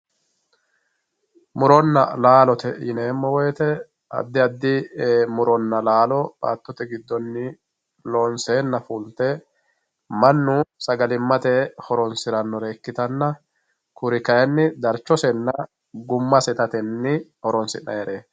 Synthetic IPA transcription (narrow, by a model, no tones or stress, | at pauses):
mʊɾɔnːɐ̰laːlɔt̪ɛɪ̰neːmːɔwɔjɛt̪ɛ | ɐ̰d̪ːɪɐd̪ːɪmʊɾɔnːɐlaːlɔba̰ːt̪ːɔt̪ɛɡɪd̪ːɔnːɪ | lɔːnseːnːɐfult̪ɛ | mɐnːʊsɐɡɐlɪmːɐt̪ɛhɔɾɔnsɪɾɐnːɔɾeːkːɪt̪ɐnːɐ | kʊɾɪkɐjɛnːɪd̪ɐɾt͡ʃːɔsɛnːɐ | ɡʊmːɐsɛt̪ɐt̪ɛnːɪhɔɾɔnsɪnːɐ̰jɛɾeː